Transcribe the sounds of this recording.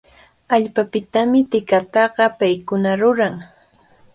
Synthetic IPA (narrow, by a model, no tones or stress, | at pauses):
aʎpapɪt̪amɪt̪ɪkat̪ɑɢɑpajkʊnaɾʊɾaŋ